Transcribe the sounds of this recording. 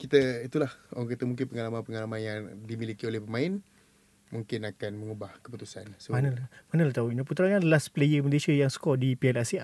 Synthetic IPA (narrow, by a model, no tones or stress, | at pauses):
kit̪əit̪ulahoaŋkat̪əmuŋk̬ɪnpəŋalamanpəŋalamanjaŋdimilikiolɛhpəmãɪn | muŋkɪnakanməŋubahkə̥put̪usa̰nsəanəlmanəlaht̪auinap̬ut̪ɾaŋanlasplejəməleʃajaŋsə̥kɔdipiɛlasia